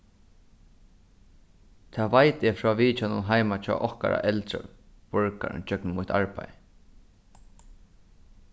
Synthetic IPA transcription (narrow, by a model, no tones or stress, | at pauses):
t̪ʰaːʋajt̪ɛfɹɔːʋiːt͡ʃanʊ̰nɦajmat͡ʃʰɔ̰ːʔɔhka̰ɾa̰ʔɛlt̪ɾə̰ | pɔɹka̰ɹ̰nt͡ʃœknmʊht̪aɹpaj